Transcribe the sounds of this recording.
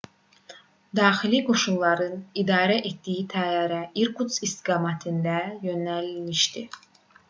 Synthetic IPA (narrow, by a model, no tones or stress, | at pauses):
d̪ɑːxiliɡo̞ʃunlˠɑɾɯnid̪ɑːɾæʔet̪d̪ijit̪ʰæjɑːɾæiɾkʰut̪sist̪iɡɑːmɑt̪ʰɯnd̪æjønælmiʃt̪i